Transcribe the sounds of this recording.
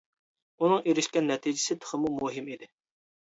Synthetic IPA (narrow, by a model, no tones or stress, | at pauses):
unɨŋeɾɪʃkʲɛnːɛt̪ʰid͡ʒɪsɪt̪ʰə̥χəmumuɦɪmid̪ɪ